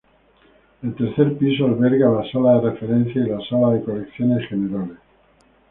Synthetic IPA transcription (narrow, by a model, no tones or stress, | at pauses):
elt̪e̞ɾθe̞ɾpis̬oalβe̞ɾɣalasalaðere̞fe̞ɾẽ̞n̟θjailasalaðe̞ko̞lekθjo̞nesxeneɾales